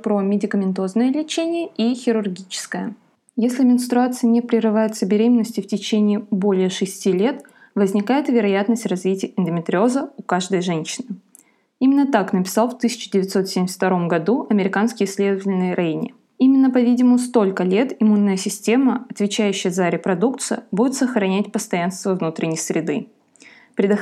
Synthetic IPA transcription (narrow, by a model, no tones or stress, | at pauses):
pɾomʲɪdʲɪkəmʲɪnt̪o̞znəjəlʲɪt͡ɕenʲɪjəixʲɪɾʊrɡʲit͡ɕɪ̥skəjə | jesʲlʲɪmʲɪnst̪ɾʊat̪sɨjənʲɪpɾʲɪɾɨvajɪt̪səbʲɪɾʲemʲɪnːəsʲtʲɪftʲɪt͡ɕenʲɪːbo̞lʲɪjəʂɨsʲtʲilʲe̞t̪ | vəzʲnʲɪkajɪt̪vʲɪɾɐjat̪nəsʲtʲrɐzvʲitʲɪjəɪnd̪ʲəmʲɪt̪ɾʲɪo̞zəʊkaʐd̪əjʐɛnʲɕːɪnɨ | imʲɪnːət̪aknəpʲɪ̥sɑlˠft̪ɨsʲɪ̥t͡ɕɪdʲɪvʲɪt̪so̞t̪sʲemʲɪsʲt̪ʲɐɾo̞mɡɐd̪uɐmʲɪɾʲɪkanskʲɪjɪsʲlʲe̞d̪əvətʲɪlʲnɨjəɾʔɐenʲɪ̰ | imʲɪnːəpɐvʲidʲɪmʊst̪o̞lʲkəlʲe̞t̪ɪmunːəjəsʲɪsʲtʲe̞məɐt̪vʲɪt͡ɕæjʉɕːɪjəzəɾʲɪpɾɐd̪ukt̪sɨjəbudʲɪt̪səxɾɐnʲætʲpəst̪ɐjanst̪vəvnut̪ɾʲɪnʲːɪjsɾʲɪd̪ɨ | pɾʲɪd̪ə